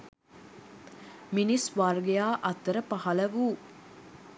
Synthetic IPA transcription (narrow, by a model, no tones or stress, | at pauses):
minisʋarɡejaːʔɐt̪ːəɾəpɐhɐlɐʋuː